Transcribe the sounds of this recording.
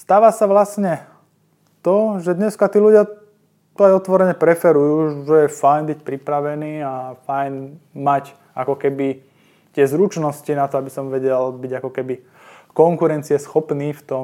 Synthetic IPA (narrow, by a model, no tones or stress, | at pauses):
st̪aːʋasaʋlasɲɛ | t̪ɔʒɛd̪ɲɛskat̪iːluɟɪa | t̪ɔajɔt̪ʋɔɾɛɲɛpɾɛfɛɾujuːʒɛjɛfajnbic̚pɾipɾaʋɛniːafajnmac | akɔkɛbi | t̪ɪɛzɾut͡ʃnɔscinat̪ɔabisɔmʋɛɟɛlbiɟakɔkɛbi | kɔŋkuɾɛnt͡siɛsxɔpniːft̪ɔ